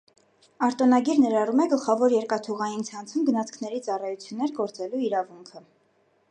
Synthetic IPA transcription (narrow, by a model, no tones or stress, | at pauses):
ɑɾt̪ɔnɑɡiɾnɛɾɑrumɛɡəlχɑvɔɾjɛɾkɑt̪ʰuʁɑjint͡sʰɑnt͡sʰumɡənɑt͡sʰkʰnɛɾit͡sɑrɑjut͡sʰjunːɛɾɡɔɾt͡sɛluiɾɑvuŋkʰə